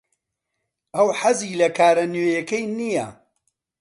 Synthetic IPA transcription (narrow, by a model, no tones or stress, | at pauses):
ʔɐwħaziːlɐkʰaːɾɐnwejɐkɐjnijɐ̰